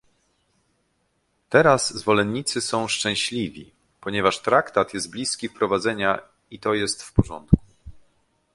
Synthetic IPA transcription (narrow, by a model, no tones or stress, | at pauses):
t̪ɛɾaszvɔlɛnːit̪sɘsɔ̃w̃ʂt͡ʂɛ̃w̃ɕlʲivʲḭ | pɔɲɛvaʂt̪ɾakt̪at̪jɛst̪̚blʲiskʲifpɾɔvad̪zɛɲa | it̪ɔjɛst̪fpɔʐɔ̰nt̪ku